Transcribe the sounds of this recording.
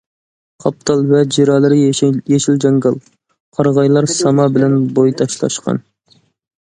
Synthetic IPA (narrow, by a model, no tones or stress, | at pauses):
qʰɑp̚t̪ʰɑlˠvɛd͡ʒeɾɑːlˠɨɾɪjeʃild͡ʒɑŋɡɑlˠ | qʰɑɾʁɑjlˠɑɾsɑmɑbɪlɛnbojt̪ʰɑʃlˠɑ̰ʃqɑ̰n